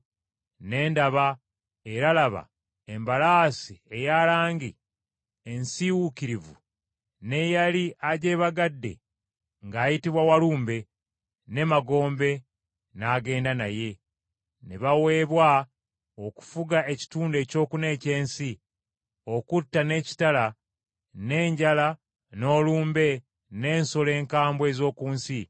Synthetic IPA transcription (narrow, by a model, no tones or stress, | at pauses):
ne̞ːndaβa | e̞ɾalaβa̰ | embalaːsie̞jalaːŋɡi | ensiwukiɾivṵ | ne̞jaliʔaɟe̞ːβaɡadːe̞̰ | ŋɡaːjitiβwawaluːmbe̞ | ne̞maɡo̞ːmbe̞ | naːɡe̞ːndanaje̞ | neβawe̞ːβwa | oku̥fuɡae̞ci̥tuːnde̞ːco̞ːkune̞ːce̞ːnsi | o̞kutːane̞ːci̥tala | ne̞ːɲɟala | no̞ːluːmbe̞ | ne̞ːnsole̞ːŋkaːmbwe̞ːzo̞ːkuːnsi